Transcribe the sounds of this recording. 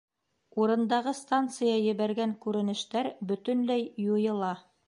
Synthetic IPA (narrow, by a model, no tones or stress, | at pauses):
uɾɤ̆nd̪ɑʁɤst̪ant̪sɨjɑjɘ̆βæɾɡæŋkʉɾɘ̆nɘ̆ʃt̪æɾbɵ̆t̪ɵ̆nlæjjujɤ̆lˠɑ